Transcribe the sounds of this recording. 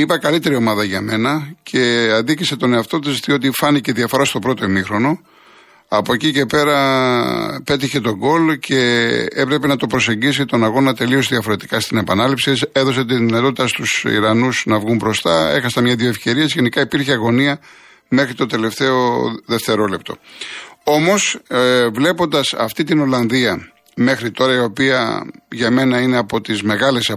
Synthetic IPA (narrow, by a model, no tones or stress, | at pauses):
ipɐkɐlit̪e̞ɾio̞mɐðɐʝɐme̞nɐcʰe̞ɐnd̪icise̞t̪o̞neɐft̪o̞t̪̬ist̪io̞t̪̬ifɐniceðiɐfo̞ɾɐst̪o̞pɾo̞t̪o̞imixɾo̞no̞ | ɐpoecice̞pe̞ɾɐ | pe̞t̪̬içe̞t̪o̞ɡo̞lcʰe̞e̞pɾe̞pe̞nɐt̪o̞pɾo̞se̞ɲɟisit̪o̞nɐɣo̞nɐt̪e̞lio̞siðiɐfo̞ɾe̞t̪i̥kɐst̪ine̞pɐnɐlipsise̞ðo̞se̞t̪̬iðinɐt̪o̞t̪it̪ɐst̪usḭɾɐnusnɐvɣumbɾo̞st̪ɐe̞̰xɐsɐmɲɐðjoefce̞ɾiesjenikɐipiɾçeɐɣo̞niɐ | me̞xɾit̪o̞t̪e̞le̞ft̪e̞o̞ðe̞ft̪e̞ɾo̞le̞pt̪o̞ | o̞mo̞svle̞po̞nd̪ɐsɐ̰ft̪it̪ino̞lɐnðiɐ | me̞xɾit̪o̞ɾɐio̞piɐ̰ʝɐme̞nɐineɐpo̞t̪izme̞ɣɐle̞sɐ